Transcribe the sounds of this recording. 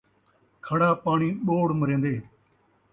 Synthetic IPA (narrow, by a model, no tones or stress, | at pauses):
kʰəɽaːpaːɳiːɓoːɽməɾẽːnd̪eː